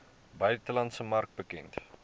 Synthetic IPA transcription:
bœjtəlɐntsəmɐrk̚bəkɛnt

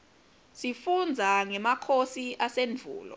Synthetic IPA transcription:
sifund͡zʱaŋɛmakʰosiʔasenvʱṵːlɔ̰

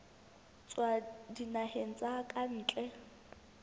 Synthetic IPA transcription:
t͡sʼwadinahen̩t͡sʼakʼan̩ːt͡ɬʼɛ

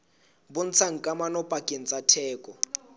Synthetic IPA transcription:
bʊn̩t͡sʰaŋ̩kʼamanɔpʼakʼen̩t͡sʼatʰɛːkʼɔ

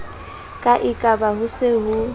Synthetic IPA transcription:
kʼaʔɪkʼabaɦʊsɪɦʊ

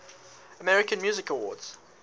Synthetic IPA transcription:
əmɛɹɪkə̃nmjʉːzɪkəwɔ̰ːdz̥

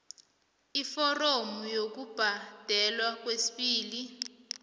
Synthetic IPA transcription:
ifɔromujok̬ub̥ʱad̥ʱɛlwak̬wesi̥ɓiːli

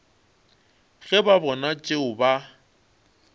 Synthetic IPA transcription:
ɣɛbabɔnat͡ʃʼeʊba

